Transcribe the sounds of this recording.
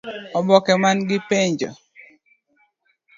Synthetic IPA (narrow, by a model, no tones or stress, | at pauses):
ɔbɔkɛmanɡɪpeɲd͡ʒɔ̰